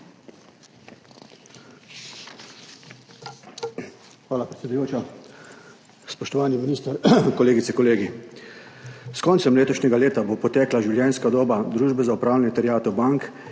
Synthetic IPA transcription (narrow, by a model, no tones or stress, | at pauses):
xʋaːlapɾɛt̪sʲɛd̪ujoːt͡ʃa | spɔʃt̪ɔʋaːniminiːst̪əɾkɔleːɡit̪sɛkɔleːɡi | skɔnt̪sɛmleːt̪ɔʃnɛɡaleːt̪abopɔt̪ɛːklaʒiɪwljɛnskad̪oːbad̪ɾuːʒbɛzaupɾaːwlɛnɛt̪ɛɾjaːt̪ɔbaŋk